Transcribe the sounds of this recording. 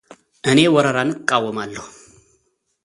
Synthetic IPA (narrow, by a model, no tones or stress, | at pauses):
ʔɨne̞wɔɾəɾanɨkʼːawːəmalːəhu